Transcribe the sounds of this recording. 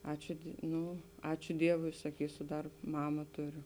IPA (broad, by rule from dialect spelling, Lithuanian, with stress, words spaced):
ˈɑːt͡ʃʲʊ ˈnʊ ˈɑːt͡ʃʲʊ ˈdʲiɛʋʊɪ sɐˈkʲiːsʊ ˈdɐr ˈmɑːmɐ ˈtʊˌrʲʊ